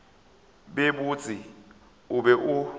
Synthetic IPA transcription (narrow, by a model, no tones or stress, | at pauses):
ɓeɓut͡sʼi | uɓɛʔu